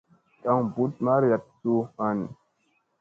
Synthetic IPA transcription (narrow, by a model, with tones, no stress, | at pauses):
ta˦ŋbu˦t̚ma˦ɾja˨t̚su˦ha˦ni˨